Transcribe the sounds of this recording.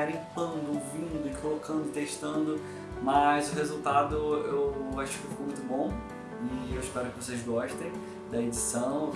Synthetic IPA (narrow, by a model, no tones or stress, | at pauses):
aɾĩpɐ̃nd̪ʊovĩd̪ʊɪkolokɐ̃nd̪ʊɪt̪eʃt̪ɐ̃nd̪ʊ | mɐzʊɦezut̪ad̪ʊewaʃʊ̥kɪofiokomũj̃t̪ʊbõ | ɪewɪʃpɛɾʊkɪvosejzɡɔʃt̪ẽj̃ | d̪ɐed͡ʒisɐ̃w̃